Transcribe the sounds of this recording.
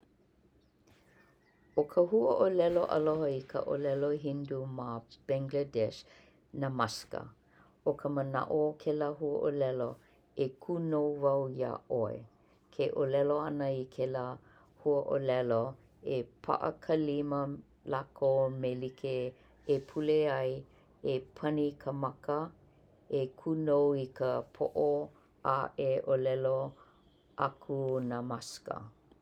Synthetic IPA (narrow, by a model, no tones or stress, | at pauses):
okʰəhuəʔolɛloʔɐ̰loɦəikʰə̰ʔo̰lɛloɦindumab̥ɛ̃ŋɡlədɛʃ | namɐskə̰ | okʰəməna̰ʔokʰelaɦuə̰ʔolɛlo | ekʰunowvɐwja̰ʔoḛ | kʰeʔolɛloɐnəikʰela | huəʔolɛlo | epʰa̰ʔə̰kʰəlimə | lakomelikʰe | epʰuleɐj | epʰɐnikʰəmɐkə | ekʰunowikəpʰoʔo | ʔaʔeʔolɛlo | ʔakʰunamaskə̰